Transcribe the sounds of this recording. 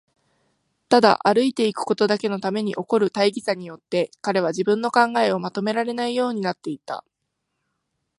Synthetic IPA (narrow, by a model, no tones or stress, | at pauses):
t̪ad̪a̰ʔaɾɯ̟it̪e̞ikɯ̟̥ko̞t̪o̞d̪ake̞no̞t̪ame̞ɲ̟iʔo̞ko̞ɾɯ̟t̪aiɡʲisaɲ̟ijo̞t̪ːe̞kaɾe̞β̞aʑibɯ̟̃nːo̞kãŋɡae̞o̞mat̪o̞me̞ɾaɾe̞naijo̞ːɲ̟inat̪ːe̞it̪a̰